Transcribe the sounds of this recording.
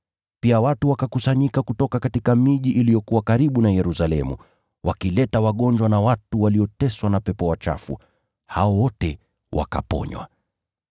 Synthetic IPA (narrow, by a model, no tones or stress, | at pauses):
piawatuwakakusaɲikakutɔkakatikamiʄiʔilijɔkuwakaɾiɓunajɛɾusalɛmṵ | wʔakilɛtawaɠɔnd͡ʒwanawatuwaliɔtɛswanapɛpɔwat͡ʃa̰fṵ | ha̰ɔwɔtɛ | wʔa̰ka̰pɔ̰ɲwa̰